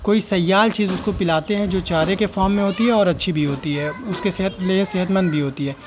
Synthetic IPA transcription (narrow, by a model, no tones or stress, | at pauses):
koːisɐjːaːlt͡ʃiːzʊskopɪlaːt̪eɦɛ̃d͡ʒoːt͡ʃaːɾekefɔːɾmːẽɦoːt̪iɦɛɔːɾɐtːʃʰibʱiɦoːt̪iɦɛːʊskeseɦət̪leseɦət̪mɐ̃nd̪̚bʱiɦoːt̪iɦɛː